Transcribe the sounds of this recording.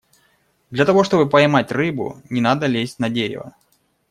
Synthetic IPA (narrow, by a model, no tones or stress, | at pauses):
d̪lʲɐt̪ɐvo̞ʂt̪o̞bɨpɐɪmatʲrɨbʊ̰nʲɪnad̪əlʲesʲtʲnɐdʲeɾʲɪ̰və̰